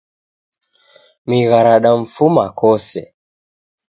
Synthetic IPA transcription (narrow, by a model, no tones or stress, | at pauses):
miɣaɾaɗaɱ̩fumakɔsɛ